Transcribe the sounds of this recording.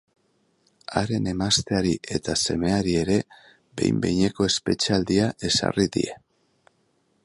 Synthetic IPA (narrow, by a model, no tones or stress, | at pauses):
aɾe̞ne̞mast̪e̞aɾiʔe̞t̪ase̞me̞aɾie̞ɾe̞ | be̞̰jmbe̞jɲe̞ko̞e̞spe̞t͡ʃeald̪iaʔe̞sa̰riðḭḛ